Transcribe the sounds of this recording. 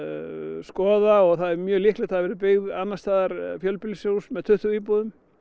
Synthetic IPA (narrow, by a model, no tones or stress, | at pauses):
skɔːðaɔɣθaðɛmjœːlihklɪt̪ʰaðavɛːɾɪp̬ɪɣðanːast̪aːðaɾfjœlpɪlisjowsmɛðt̪ʰʏht̪ʏɾiːpuðʏm